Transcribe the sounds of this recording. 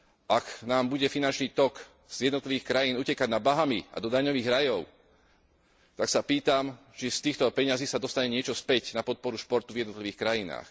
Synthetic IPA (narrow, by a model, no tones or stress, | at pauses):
ʔaknaːmbuɟɛfinant͡ʃniːt̪ɔk | z̥jɛd̪nɔt̪liʋiːxkɾajiːnucɛkaɟnabaɦamia̰d̪ɔd̪aɲɔʋiːɣɾajɔʊ | t̪aksapiːt̪am | t͡ʃist̪iːxt̪ɔpɛɲaziːsad̪ɔst̪aɲɛɲɪɛt͡ʃɔspɛcnapɔt̪̚pɔɾuʃpɔɾt̪uvjɛd̪nɔt̪liʋiːxkɾajina̰ːx